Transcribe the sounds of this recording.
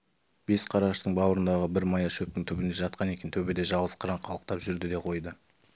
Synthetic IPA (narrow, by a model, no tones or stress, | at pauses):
b̥e̞sqʰɑɾɑʃt̪əɴbɑwəɾənd̪ɑʁəbɪɾmɑjɑʃɵp̚t̪ɪŋt̪ʰɵbɪnd̪e̞ʒɑt̪qɑne̞kʲe̞nt̪ʰɵbed̪e̞ʒɑʁˠəsqʰəɾɑɴqʰɑlˠəq̚t̪ɑpʒʏɾd̪ɪd̪e̞qʰo̞jd̪ə